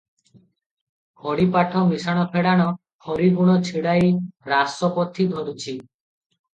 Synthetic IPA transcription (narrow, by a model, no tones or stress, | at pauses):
kʰɔɽipaʈʰɔmisaɽ̃ɔpʰeɽaɽ̃ɔ | hɔɾiɡuɽ̃ɔt͡ʃʰiɽajɾasɔpɔt̪ʰːid̪ʱɔɾut͡ʃʰi